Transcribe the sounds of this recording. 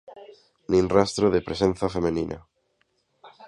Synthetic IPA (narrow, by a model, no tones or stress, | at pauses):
nĩnrast̪ɾoðepɾesẽn̟θafemẽnĩnʔa̰